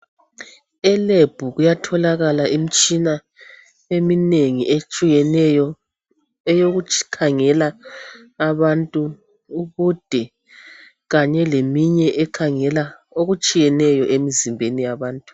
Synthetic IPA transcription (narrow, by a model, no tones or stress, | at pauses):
ɛleb̥ʱuɣujatʰɔlaɣalaʔimit͡ʃʼina | emineŋiʔet͡ʃʼiɛɛjɔ | ɛjoɣukʰaŋɛlaː | βantʼuː | ɣud̥ʱɛ | ɣaɲɛlemiɲɛʔɛkʰaŋɛla | oɣut͡ʃʼijɛnɛjɔʔemizimbʱenijaβaːntʼu̥